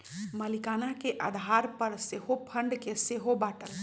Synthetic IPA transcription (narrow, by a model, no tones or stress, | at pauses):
məlikanakeʔad̪ʱaɾpəɾseɦopʰəɳɖkeseɦobaːʈəl